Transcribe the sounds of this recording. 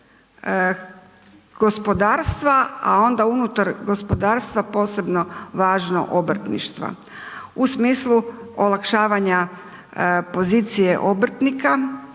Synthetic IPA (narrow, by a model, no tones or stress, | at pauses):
ɡ̥o̞spo̞d̪aːɾst̪ʋaa̰o̞nd̪aunut̪aɾɡo̞spod̪aːɾst̪ʋapo̞ːse̞bno̞ʋaːʒno̰ʔobr̩t̪nḭʃt̪ʋa̰ | usmiːslˠuolakʃaːʋaɲa | po̞ziːt̪sijeʔobɾ̩t̪nika